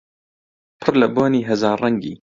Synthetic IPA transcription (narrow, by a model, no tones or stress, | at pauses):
pʰɨɾlɐboːniːɦɐzɑːɾːɐŋɡiː